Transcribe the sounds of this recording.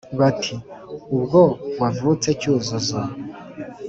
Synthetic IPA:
βatʰiubɡobwavut͡se̞cuːzozo

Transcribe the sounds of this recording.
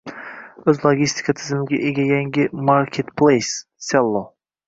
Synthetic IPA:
ɵzlˠoɡʲist̪i̥kʰat̪ʰɪzɪmɪɡʲaʔeɡʲajaŋɡʲɪmaɾkʰʲet̪pʰlejsːelˠːo

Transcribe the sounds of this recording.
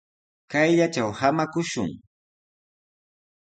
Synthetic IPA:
kajʎat͡ʃawhamakʊʃʊ̰ŋ

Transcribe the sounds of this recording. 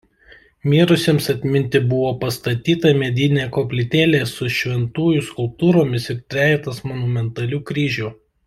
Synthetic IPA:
mʲiːɾʊsʲeːmsɐt̪ʲmʲɪnʲt̪ʲɪbʊʋoːpɐst̪ɐt̪ʲiːt̪ɐmʲɛd̪ʲɪnʲeːkoːpʲlʲɪt̪ʲeːlʲeːsʊʃʲʋʲɛnt̪uːjʊskʊlˠp̚t̪uːɾoːmʲɪsɪɾt̪ʲɾʲæːɛt̪ɐsmɔnʊmʲɛnt̪ɐlʲuːkɾʲiːʒʲuː

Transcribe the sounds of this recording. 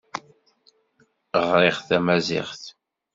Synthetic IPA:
ʁɾɪʁθæmæzɪ̰ʁθ

